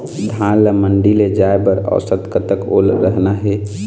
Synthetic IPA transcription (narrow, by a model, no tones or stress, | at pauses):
d̪ʱanləməɳɖiled͡ʒaebəɾə̰sət̪kət̪əko̰lɾəɦnaɦɛ